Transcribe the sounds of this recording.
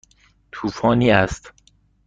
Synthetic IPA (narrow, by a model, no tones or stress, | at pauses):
t̪ʰuːfɒːniːæst̪